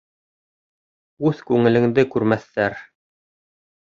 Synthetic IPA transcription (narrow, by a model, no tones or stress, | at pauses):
ʉðkʉŋɘ̆lɘ̆ŋd̪ɘkʉɾmæθːæɾ